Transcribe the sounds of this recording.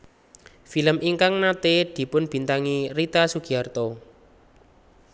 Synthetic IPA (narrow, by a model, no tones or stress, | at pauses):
filəmʔiŋkaŋnat̪ed̪̥i̤pʊnb̥i̤nt̪aŋirit̪asuɡ̥iart̪o